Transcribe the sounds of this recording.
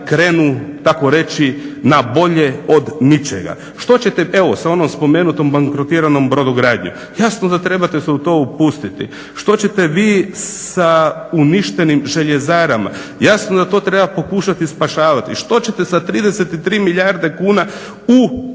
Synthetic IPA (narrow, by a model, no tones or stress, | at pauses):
kɾe̞ːnut̪ako̞ɾe̞t͡ʃinabo̞ʎe̞od̪nit͡ʃḛɡa̰ | ʃt̪o̞t͡ɕe̞t̪ee̞ʋosao̞no̞mspo̞meːnut̪o̞mbaŋkɾot̪iːɾano̞mbɾod̪oɡɾaːd̪ɲo̰ | jasnod̪at̪ɾe̞bat̪eseut̪o̞ːupust̪it̪ḭ | ʃt̪o̞t͡ɕe̞t̪e̞ʋiːsauniʃt̪e̞nimʒe̞ʎezaːɾama̰ | jasnod̪at̪o̞ːt̪ɾebapo̞kuːʃat̪ispaʃaːʋat̪ḭʃt̪o̞t͡ɕe̞t̪e̞sat̪ɾiːd̪eset̪it̪ɾiːmiʎaɾd̪e̞kuːna | u